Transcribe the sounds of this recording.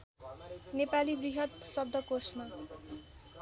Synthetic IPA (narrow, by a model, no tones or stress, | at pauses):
nepalibriɦʌt̪sʌb̚d̪ʱʌkosma